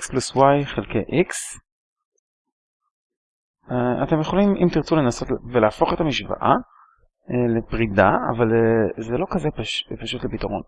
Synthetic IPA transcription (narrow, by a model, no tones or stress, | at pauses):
kspluswajχelkejʔiks | a̰te̞mjeχo̞limʔimt̪iʁt͡sulenaso̞tvelaːfo̞χetamiʃva̰ʔa | elepʁidaa̰valezelo̞kazepʃpaʃutlepitaʁo̞̰n